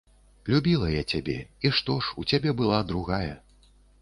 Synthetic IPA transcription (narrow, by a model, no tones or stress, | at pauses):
lʲubʲilˠɐjat͡sʲabʲɛ̰iʂt̪ɔʂut͡sʲabʲɛbɨlˠad̪ɾuɣajɐ